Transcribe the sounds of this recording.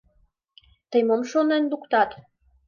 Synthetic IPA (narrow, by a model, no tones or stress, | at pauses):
t̪əjmomʃonend̪ukt̪ɑt̪